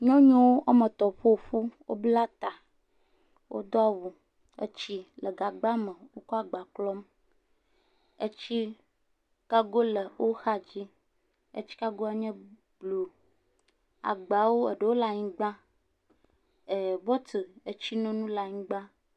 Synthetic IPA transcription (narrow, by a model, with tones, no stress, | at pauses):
ɲɔ̃˦ɲɔ̃˦wo˦ʔa˦mə̃˨t̪ɔ˨ɸo˦˨ɸu˦wo̰˦bla˦t̪a˨ | wʔo̰˦d̪ɔ˦wu˨ | ḛ˦t͡ɕi˦lə˨ɡa˨ɡ͡ba˦mə̃˨wo˦kɔ˦a˨ɡ͡ba˨klɔ˦m | e˦t͡ɕi˦ | ka˦ɡo˦lə˨wo˦xa˦d͡ʑi˦ | ḛ˦t͡ɕi̥˦ka˦ɡo˦a˦ɲɛ̃˦ | b̥lu˨ | a̰˨ɡ͡ba˨wo˦e˨ɖə˨wo˦la˨ɲĩ˨ɡ͡bã˦ | e˨bɔ˦t̪ə˨e˦t͡ɕi˦nɔ̃˦nũ˦la˨ɲĩ˨˦ɡ͡bã˦